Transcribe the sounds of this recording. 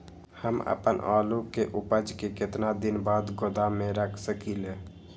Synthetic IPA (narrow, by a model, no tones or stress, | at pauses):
həmə̰pə̰nʔalukeʔupəd͡ʒkeket̪nad̪inbaːd̪ɡod̪amẽɾəkʰsəkile